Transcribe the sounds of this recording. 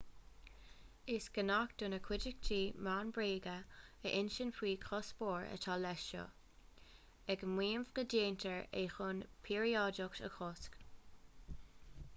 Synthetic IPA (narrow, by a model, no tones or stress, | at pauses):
ɪsɡ̥ənakd̪̥unəkʰwɪd͡ʒɪk̚d͡ʒiːmaːnbɹeːɡəəʔɪnʃənfiːkʰɔsboːɹə̰tʰalɛʃo̰ | ɛɡəmwiːmvɡədeːnt̪ʰəɹexʊnpʰiːɹiɔdʊktə̰xʰɔsk